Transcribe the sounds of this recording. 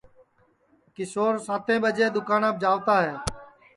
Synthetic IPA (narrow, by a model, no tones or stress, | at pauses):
kɪsoːɾsaːt̪ʰẽːɓəd͡ʒeːd̪ʊkaːnãːb̚d͡ʒaːʋt̪aːɦɛː